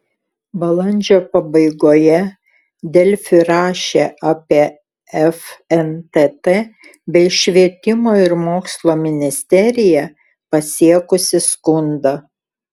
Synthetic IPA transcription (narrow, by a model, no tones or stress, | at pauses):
bɐlˠɐnʲd͡ʒʲoːpɐbɐɪɡoːjɛ | d̪ʲɛlʲfʲʊɾɑːʃʲeːʔɑːpʲiɛ | ɛfɛnt̪et̪eː | bʲɛɪʃʲʋʲiɛt̪ʲɪmoːɪɾmoːkslˠoːmʲɪnʲɪsʲt̪ʲɛɾʲɪjɛ | pɐsʲiɛkʊsʲɪskʊnd̪ɐ